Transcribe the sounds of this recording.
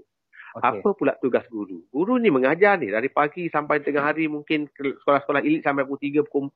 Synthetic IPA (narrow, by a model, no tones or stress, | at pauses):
apəpulaʔt̪uɡasɡuɾṵɡuɾuniməŋad͡ʒarnɪ̰hdaɾipaɡisampajt̪əŋaɦaɾimuŋkɪnsə̥kolahsə̥kolaɦilɪt̪̚sampajput̪iɡəbəkom